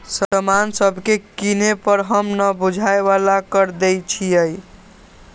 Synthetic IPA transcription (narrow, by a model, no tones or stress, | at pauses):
sətəmansəbʱkekinepəɾɦəmnəbud͡ʒʱaeβalakəɾd̪ejt͡ʃʰijəj